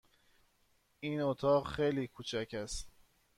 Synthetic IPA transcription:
iːnot̪ʰɒːɢxejliːkʰuːt͡ʃʰæcʰæst̪

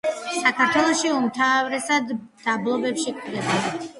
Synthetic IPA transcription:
sakʰaɾt̪ʰwɛlˠɔʃiumt̪ʰavɾɛsad̪d̪ablˠɔbɛpʃikʼiɡ̪ɛbɔna

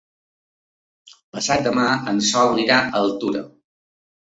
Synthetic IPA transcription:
pəsat̪̚d̪əmaənsɔuniɾaəlˠt̪uɾə̰

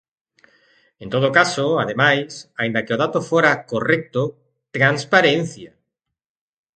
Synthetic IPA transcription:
ẽnt̪oð̞okasoaðemajsaind̪akeoð̞at̪ofoɾakorɛk̚t̪o | t̪ɾanspaɾẽn̟θja

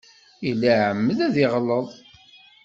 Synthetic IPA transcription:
ilːaʕəmːəðæðiʁləðˤ

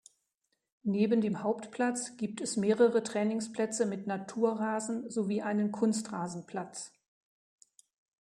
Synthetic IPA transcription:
neːbən̩deːmhaʊptpʰl̥at͡sɡ̥iːp̚tɛsmeːʁəʁətʁ̥ɛːnɪŋspl̥ɛt͡səmɪtnatʰuːɐʁaːzn̩zoviːʔaɪnənkʰʊnstʁaːzn̩pʰl̥at͡s

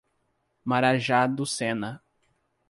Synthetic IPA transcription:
maɾaʒad̪ʊsẽnɐ

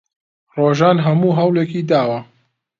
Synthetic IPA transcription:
roːʒaːnɦɐmuːɦɐwleːkiːd̪aːwɐ

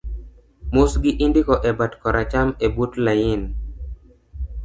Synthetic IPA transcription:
mʊsɡɪʔindikɔʔɛbatkɔɾʔat͡ʃamebutlajɪn

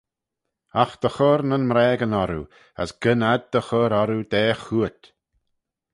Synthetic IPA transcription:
axd̪̥əxɔɾnənmɾɛːɡənɔɾṵ | ə̰sɡ̥ənad̪̚d̪̥əxɔɾɔɾud̪ɛːxuət̪

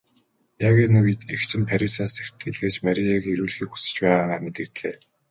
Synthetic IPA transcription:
jaɣiːnuk̪ext͡ɕɘ̆mpʰæɾʲisaːsew̥t̪ɡɘ̆ɮɣeːt͡ɕmæɾʲiekeɾuːɮxiːku̥sɘ̥̆t͡ɕpæːʁaːaːmet̪ɘ̆kt̪ɮeː

